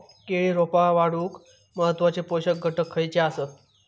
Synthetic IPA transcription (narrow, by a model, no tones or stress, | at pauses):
keɭiːɾopaʋaɽuːk | məɦət̪ːʋat͡ɕepoɕək̚ɡʱəʈəkʰːəjt͡ɕeasət̪